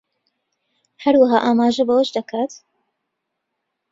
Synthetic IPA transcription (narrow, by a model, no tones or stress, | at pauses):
hɐɾwaɦaːʔaːmaːʒɐbɐwɐʃd̪ɐkʰaːt̪